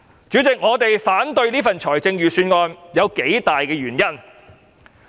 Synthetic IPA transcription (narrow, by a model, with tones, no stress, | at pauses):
t͡ʃy˨˥t͡sɪ˨k̚ŋɔː˨˧t̪e˨jfaː˨˥nt̪ɵ˧ɥliː˥fɐ˨nt͡ʃʰɔː˨˩jt͡sɪ˧ŋjyː˨˩syː˧nŋɔː˧njɐ˨˧wke˨˥jt̪aː˨jkɛː˧jyː˨˩njɐ˥˩n